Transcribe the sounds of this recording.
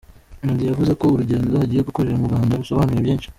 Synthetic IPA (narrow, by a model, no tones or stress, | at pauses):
nundijavuze̞ko̞uɾuɟe̞ːndo̞haɟiːjeɡuko̞ɾe̞ɾamuɾɡwaːndaβuso̞βaːnuɾeβjeːnʃi̥